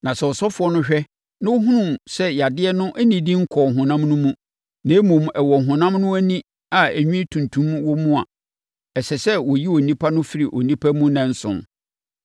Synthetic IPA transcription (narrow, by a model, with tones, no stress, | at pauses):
nã˨sɛ˨ɔ˨sɔ˦fʊ˨ɔ˦nʊ̃˦ɕᶣɛ˦ | nã˦wo˦ɦũ˦nũ˦˨sɛ˦ja˨dɪ˦ɛ˦nʊ̃˦ʔæ˦nĩ˨dĩ˦ŋ̩˦kʰɔ˨ŋ˨ɦʊ̃˨nã˦mnʊ̃˦mũ˦ | nẽ˨˦mũ˨mɛ˨wɔ˨ŋ˨ɦʊ̃˨nã˦mnʊ̃˦æ˦nĩ˦ | a˨æ˨ɲᶣĩ˦tʰũ˨ntʰũ˨˦mwɔ˦mũ˦a̰˨ | sɛ˨sɛ˦wɔ˨ji˦o˨nĩ˦pʰa˦nʊ̃˦fi˦ɾi˨ʔo̰˨nĩ˦pʰa˦mũ˦nã˨n̩˦sʊ̰̃˨n